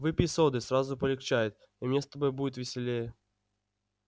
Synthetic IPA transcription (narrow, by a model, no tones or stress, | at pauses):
vɨpʲisod̪ɨsrazʊpəlʲɪkt͡ɕajɪt̪̚ | imnʲest̪ɐbojbudʲɪt̪vʲɪsʲɪlʲejə